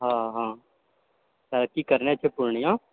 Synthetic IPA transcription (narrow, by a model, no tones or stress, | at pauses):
ɦãːɦãː | səɾkikəɾnet͡ʃʰepʊɾɳijãː